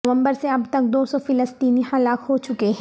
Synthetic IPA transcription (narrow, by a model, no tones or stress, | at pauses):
ʋə̃mbəɾseɐbt̪ɐk̚d̪oːsɔfɪləst̪iːnihɐlaːkɦot͡ʃʊkeɦɛ̃